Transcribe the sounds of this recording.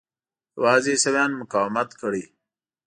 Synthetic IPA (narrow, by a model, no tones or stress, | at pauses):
waːzesewjɑːnmʊkaːwmat̪kʰəɽi